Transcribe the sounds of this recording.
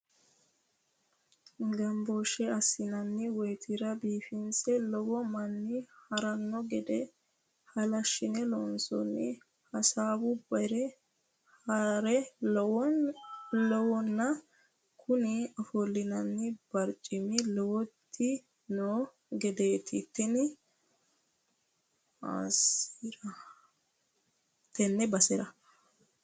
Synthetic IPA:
ɡɐmboːʃɛɐsːɪnɐnːɪwɛjt̪ʰɪɾɐbiːfɪnsɛlɔwɔmɐnːɪhɐɾɐnːɔɡɛd̪ɛ | hɐlɐʃːɪnɛloːnsɔ̰nːɪ̰ | hɐsaːbʊbɐɾɛ | ɾɛ | lɔwɔnːɐ | kʰʊnɪɐfɔlːɪnɐnːɪb̥ɐɾt͡ʃʼɪmɪlɔwɔt̪ʰːɪ | noː | ɡɛd̪e̞ːt̪ʰɪt̪ːɛnɪ | a̰ːsiɾɐ | t̪ɛnːɛbɐsɛɾɐ

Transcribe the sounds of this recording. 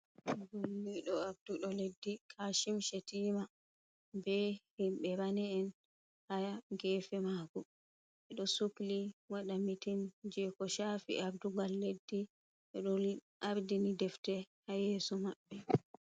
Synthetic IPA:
ɡolːiɗɔabduɗɔledːikʰaːʃimʃetiːma | bɛhimɓɛɾanɛːn | hajaɡɛːfɛmaːɡu | ʔɛɗɔsukliwaɗamitind͡ʒɛkɔʃaːfḭʔabduɡalːedːi | ʔɛɗɔ | ʔaɾdinidɛftɛhajɛːsɔmaɓːɛ

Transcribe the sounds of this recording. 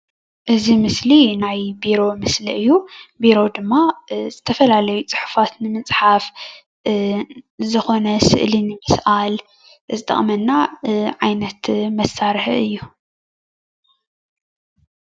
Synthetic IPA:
ʔɨzimɨslinajbiɾo̞mɨsliʔɨjːubiɾo̞d̪ɨmːaz̥ɨt̪ʰɐfɐlalɐjut͡sʼɨħu̥fat̪nɨmɨt͡sʼħaf | zɨxo̞nɐsɨ̰ʔlinɨmɨsʔal | zɨt̪ʼɐ̰χʼmɐnːaʕajnɐt̪mɐsːaɾħɨ̰jːu

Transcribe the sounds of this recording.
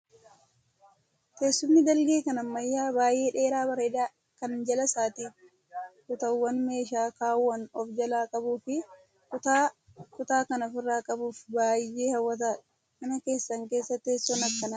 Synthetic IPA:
t̪eːsːʊmːɪd̪ɐlɡe̞ːkɐnɐmːɐjːaːbaːjʔe̞ːᶑe̞ːɾaːbɐɾeːᶑ̪aː | kɐnd͡ʒɐlɐsaːt̪iː | kʊt̪ɐwːɐnme̞ːʃaːkaːwːɐnɔfd͡ʒɐlaːkʼɐbuːfɪ | kʊt̪aː | kʊt̪aːkɐnɐfɪrːaːkʼɐbuːfbaːjːeːhɐwːɐt̪̬aːᶑ | mɐnɐke̞ːsːɐŋke̞ːsːɐt̪eːsːɔnɐkːɐnɐ

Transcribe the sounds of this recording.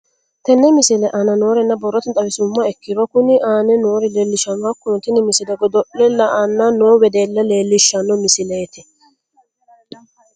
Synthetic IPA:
t̪ɛnːɛmɪsɪlɛʔɐnɐno̞ːɾɛnːɐbɔrːɔt̪ɪt̪ʼɐwɪsʊmːɐɛkːɪɾɔkʊnɪʔaːnɛnoːɾɪleːlːɪʃɐnɐkːʊnt̪ɪnɪmɪsɪdɛɡɔd̪ɔʔːɛlːɐɐnːɐnoːwɛd̪eːlːɐleːlːɪʃːɐnːɔmɪsɪleːt̪ɪ

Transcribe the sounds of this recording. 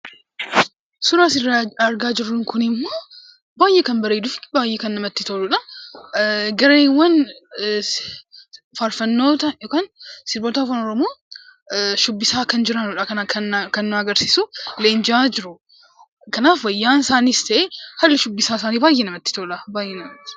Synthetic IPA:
sʊɾaːsɪrːaɐɾɡaːd͡ʒɪrːʊŋkʊnɪmːo̞ː | baːjʔekɐnbɐɾeːd̪ʊfɪ̥baːjʔekɐnːɐmɐt̪ːɪt̪oːluːᶑɐ | ɡɐɾeːwɐn | faɾfɐnːo̞ːt̪ɐjoːkaːnsɪɾboːt̪aːfɐnɔɾɔmoː | ʃʊbːɪsaːkɐnd͡ʒɪɾanʊᶑɐkɐnakʰɐnːkɐnːʊɐɡɐɾsiːsʊleːnd͡ʒɪaːd͡ʒɪɾʊ | kɐnaːfwɐjːaːnsaːniːst̪ɐʔeːhɐlːɪʃʊbːɪsaːs̬aːniːbaːjʔenɐmɐt̪ːɪ̥t̪o̞ːlɐbaːjːɛnɐmt̪ː

